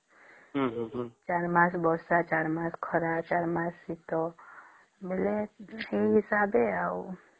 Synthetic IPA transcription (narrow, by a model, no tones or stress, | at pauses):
t͡ʃaɾmãsbɔsat͡ʃaɾmãːskʰɔɾat͡ʃaːɾmãsːit̪ɔ | beleeɦisaːbeau